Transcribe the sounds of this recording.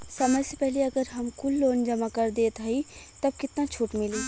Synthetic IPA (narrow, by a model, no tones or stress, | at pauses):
səməsepɛɦleəɡəɾɦəmkʊlːoːnd͡ʒəmaːkəɾd̪eːt̪aːiːt̪əb̚kɪt̪nãːt͡ʃʰʊʈmɪliː